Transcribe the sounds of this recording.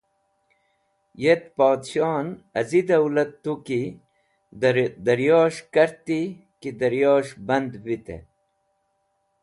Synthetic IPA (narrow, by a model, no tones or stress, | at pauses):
jet̪poːd̪ɕɑːnɐzid̪ɐwlɐt̪ːuki | d̪ɐɾjɑːɕkɐɾt̪i | kid̪ɐɾjoːɕbɐnd̪bit̪ḛ